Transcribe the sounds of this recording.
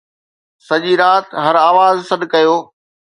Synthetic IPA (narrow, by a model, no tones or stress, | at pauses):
sɐʄiɾaːt̪ɦɐɾaːʋaːzsɐɗ̪kɐjoː